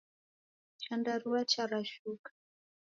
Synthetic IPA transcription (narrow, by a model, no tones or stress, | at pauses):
t͡ʃandaɾuwat͡ʃaɾaʃukḁ